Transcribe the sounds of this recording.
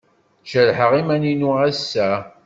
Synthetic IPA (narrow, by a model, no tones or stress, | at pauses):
ʃəɾħəʁimæninuæsːæ